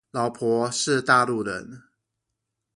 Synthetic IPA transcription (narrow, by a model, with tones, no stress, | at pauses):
lɑ˨˥ʊpʰwɔ˧˥˦ʂɻ̩˥˧t̪a˥˧lu˥˩ɻə̰˧˦n